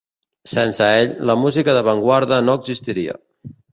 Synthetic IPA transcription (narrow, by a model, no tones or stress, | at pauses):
sɛnsəeʎləmuzikəðəβəŋɡwaɾðənoəɡzist̪iɾiə̰